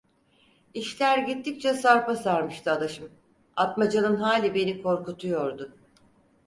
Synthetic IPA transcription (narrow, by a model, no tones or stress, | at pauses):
iʃlʲæɾɟit̪ʰːic̚t͡ʃʰɛsaɾpasaɾmɯʃt̪ʰɯad̪aʃɯm | at̪mad͡ʒanɯnɦaːlʲibe̞nikʰo̞ɾkut̪ʰujo̞ɾd̪ʊ